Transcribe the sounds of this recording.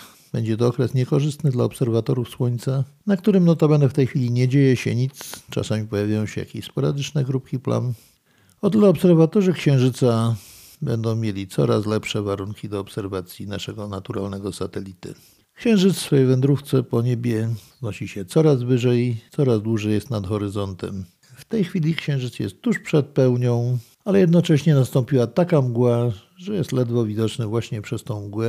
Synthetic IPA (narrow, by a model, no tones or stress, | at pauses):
bɛɲd͡ʑɛt̪ɔɔkɾɛsɲɛkɔʐɘst̪nɘd̪laɔpsɛɾvat̪ɔɾufswɔɲʲt̪sa | nak̚t̪uɾɘmnɔt̪ɔbɛnd̪ɛft̪ɛjxʲfʲilʲiɲɛd͡ʑejɛɕɛ̰ɲit̪st͡ʂa̰samʲipɔjavʲjajɔ̃w̃ɕɛ̰ja̰kʲiɕspɔɾad̪ɘt͡ʂnɛɡɾup̚kʲipla̰n | ɔt̪ɘlɛɔpsɛɾvat̪ɔʐɘkɕɛ̃w̃ʐɘt̪sa | bɛnd̪ɔ̃w̃mʲjelʲit̪sɔ̰ɾa̰slɛpʂɛvaɾuŋkʲid̪ɔːpsɛɾvat̪sʲjinaʂɛɡɔnat̪uɾa̰lnɛɡɔsat̪ɛlʲit̪ɘ̰ | kɕɛ̃w̃ʐɘt̪ssfɔjvɛnd̪ɾuft̪sɛpɔɲebʲjɛznɔɕiɕɛt̪sɔɾazvɘʐɛjit̪sɔɾazd̪wuʐɛjɛst̪nad̪xɔɾɘzɔnt̪ɛ̰m | ft̪ɛjxfʲilʲikɕɛ̃w̃ʐɘt̪sjɛ̰st̪ːuʂpʂɛt̪̚pɛwɲɔ̃w̃ | alɛjɛd̪nɔt͡ʂɛɕɲɛnast̪ɔ̃mpʲiwat̪akamɡwa | ʐɛjɛst̪lɛd̪vɔvʲid̪ɔt͡ʂnɘvwaɕɲɛpʂɛst̪ɔ̃w̃mɡwɛ